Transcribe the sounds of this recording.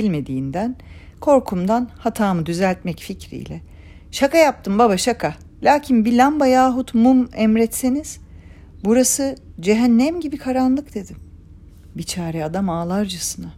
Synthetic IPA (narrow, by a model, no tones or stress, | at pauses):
ilʲme̞d̪iːnd̪ænkʰo̞ɾkʰumd̪anhat̪ʰaːmɯd̪yzælʲt̪mɛcficɾḭjlʲɛ | ʃakajap̚t̪ʰɯmbabaʃakʰa | lʲaːcʰinbilʲambajaːɦut̪mumɛmɾɛt̪seniz̥ | buɾasɯd͡ʒeɦænːæmɟibikʰaɾanlˠɯkd̪̥e̞d̪im | bit͡ʃʰaːɾɛad̪amaːlˠaɾd͡ʒasɯna